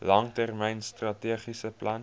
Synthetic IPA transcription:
lɐŋtærmɛjnstrɐtiəχisəplʔɐn

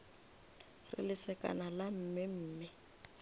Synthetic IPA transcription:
rɪ̰lɪsɛka̰nalam̩ːmɪm̩ːmɪ

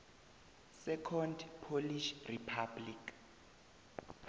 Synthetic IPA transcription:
sɛkʰɔndpʰoliʃripʰablik

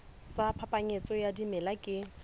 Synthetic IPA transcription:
sapʰapʼaɲet͡sʼɔjadimɛlakʼɪ

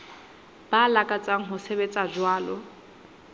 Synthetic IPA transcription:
b̥alakʼat͡sʼaŋ̩ɦʊsebet͡sʼad͡ʒwaːlɔ

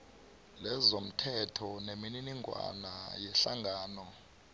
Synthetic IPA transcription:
lɛzom̩tʰɛtʰɔnemininiŋʱwa̰najɛɬaŋɡʱaːnɔ

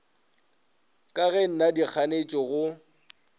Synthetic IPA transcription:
kʼaɣɛn̩nadik͡xʰanet͡ʃʼɔɣʊ

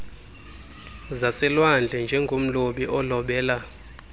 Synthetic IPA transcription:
zasɛlwand͡ɮʱɛnd͡ʒʱɛŋɡʱom̩loɓiʔɔlɔɓɛːla

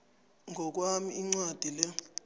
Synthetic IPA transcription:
ŋʱɔk̬ʼwamiiŋ͡ǀwad̥ʱilɛ

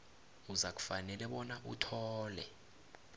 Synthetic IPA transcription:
uzak̬ʼu̥fanɛlɛɓɔnaʔutʰɔːlɛ

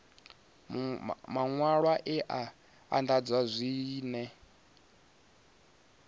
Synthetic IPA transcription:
maŋwaɺwaʔɛʔa | a̰ndad͡zwazʷiːnɛ

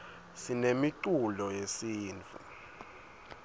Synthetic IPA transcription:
sinemiǀulɔjesiːnt͡fʰʼṵ

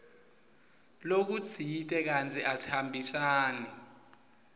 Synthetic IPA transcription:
lok̬ut͡sʰitʼɛk̬ant͡sʰʼɛʔasi̥hambʱisaːnɛ

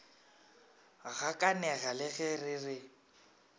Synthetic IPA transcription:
ɣakʼanɛɣalɪɣɛrɪrɪ

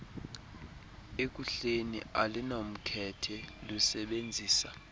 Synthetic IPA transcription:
ek̬ʼuɬenḭalinom̩kʰɛtʰɛlusɛɓend͡zʱiːsa

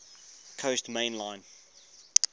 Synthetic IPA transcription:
kʰəʊstmẽɪ̃nlãɪ̃n

